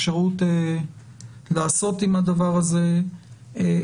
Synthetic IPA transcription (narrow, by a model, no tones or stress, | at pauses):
ʃeʁute | laːso̞timhad̪avaʁaze̞